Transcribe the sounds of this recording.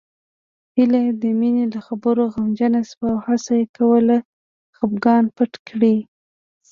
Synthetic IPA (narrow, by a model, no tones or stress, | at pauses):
hilad̪əminelaxabəɾoɣamd͡ʒanaswawhasajekawəla | xəpɡɑnpaʈkɽi